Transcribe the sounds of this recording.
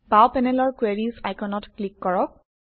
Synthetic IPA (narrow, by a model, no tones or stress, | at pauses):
bawpɛnɛlɔɹkweɹisajkɔnɔtklikːɔɹɔk̚